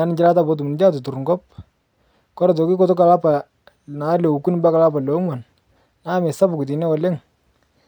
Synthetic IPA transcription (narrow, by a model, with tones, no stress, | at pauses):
a˨˦nɪ˨d͡ʒɪ˦la˦ta˦bɔ˦t̬u˨m˨nɪ˨˦d͡ʒa˦t̬ʊ˨tu˨ɾŋɡɔ˦p̚ | kɔ˦ɾa˨tɔ˨ki˦kɔ˦tɔ˦ka˨la˦pa˨ | na˨˦lɛ˨u˨ku˦nɪ˦mba˦ka˨la˦pa˨lɔ˨˦ŋwa˨n | na˦mɛ˨sa˦bʊ˨ku˨t̬i˨nɛ˦ɔ˨lɛ˦ŋ